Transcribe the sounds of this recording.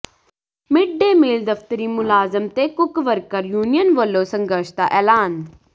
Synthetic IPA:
mɪɖːeːmeːld̪əft̪əɾiːmʊlaːzəmt̪eːkʊkʋəɾkəɾjuːnijənʋəlːoːsə̃ŋɡəɾʃd̪a̰ːʔɛːlaːn

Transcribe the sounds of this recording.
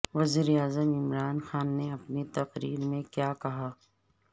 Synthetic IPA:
ʋɐziːɾeaːzəmɪmɾaːnxaːnːeɐpnit̪ɐqɾḭːɾmẽkjaːkɐɦaː

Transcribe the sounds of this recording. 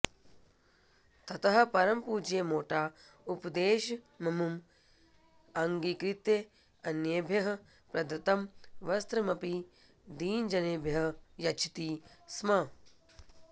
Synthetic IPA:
t̪ɐt̪ɐɦɐ̆pɐɾɐmpuːd͡ʒeːmoːʈaː | upd̪eːʃɐ | mɐmum | ɐŋɡikɾit̪je | ɐnjeːbʱjɐɦɐ | pɾɐd̪ɐt̪ɐmʋɐst̪ɾɐmɐpi | d̪iːnd͡ʒɐneːbʱjɐɦɐjɐt͡ʃʰi̥t̪ismɐ

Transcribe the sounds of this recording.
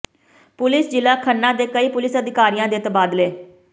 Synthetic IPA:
pʊlɪsd͡ʒɪlaːkʰənːãːd̪eːkəiːpʊlɪsəd̪ɪkaːɾijãːd̪eːt̪baːd̪leː

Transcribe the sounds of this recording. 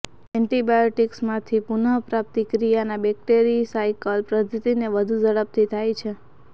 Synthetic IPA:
ɛɳʈibajoʈiksmãt̪ʰipunəpɾap̚t̪ikɾijanabɛk̚ʈeɾisajkəlpɾəd̪ʱut̪ineʋəd̪ʱud͡ʒəɽəp̚t̪ʰit̪ʰajt͡ʃʰe

